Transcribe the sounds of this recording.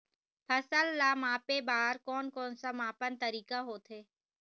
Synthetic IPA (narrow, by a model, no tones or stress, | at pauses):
pʰəsəlːaːmãːpebaːəɾkɔːnkɔːnsamaːpənt̪əɾiːkaɦoːt̪ʰɦeː